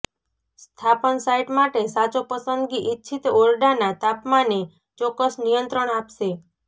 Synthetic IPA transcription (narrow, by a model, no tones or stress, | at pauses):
st̪ʰapənsajʈmaʈesat͡ʃopəsənd̪ɡiʔitːt͡ʃʰʃʰit̪oɾɖanat̪apmane | t͡ʃɔkːəsnijənt̪ɾəɳapʃe